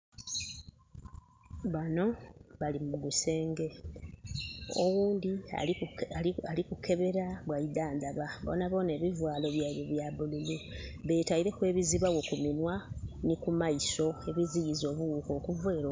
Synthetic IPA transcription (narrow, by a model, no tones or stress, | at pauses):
βano̞βalimuɡuse̞ːŋɡe̞ | o̰wuːndia̰ | ikukʰe̞βe̞ɾaβwajid̪aːnd̪aβabo̰ːnaβo̞ːne̞ːβivwaːlo̞βjailoβjaβululuβe̞ːtaiɾe̞kwe̞ːβiziβawo̞kuminwanikumaiso̞e̞βizijizo̞ːβuwuːko̞ːkuvweːɾo